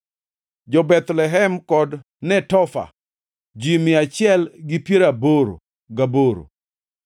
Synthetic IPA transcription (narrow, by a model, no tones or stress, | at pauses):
d͡ʒɔbɛt̪lɛɦɛmkɔd | nɛtɔfa̰ | d͡ʒimɪat͡ʃɪɛlɡɪpjeɾaboɾo̰ | ɡaboɾo̰